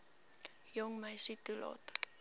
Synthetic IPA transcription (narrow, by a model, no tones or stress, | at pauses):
jɔŋməjsit̪ulɑ̰ːt̪